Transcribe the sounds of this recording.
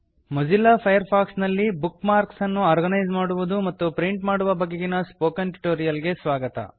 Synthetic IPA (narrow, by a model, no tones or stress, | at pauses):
mud͡ʒilːɐpʰɐjɐɾpʰaːksnɐlːibukmaːɾksɐnːuaːɾɡɐnɐjd͡ʒmaːɽuʋud̪umɐt̪ːupɾiɳʈmaːɽuʋɐbɐɡːeɡinɐspoːkɐnʈu̥ʈoːɾijɐlɡe̞sʋaːɡɐt̪ɐ̰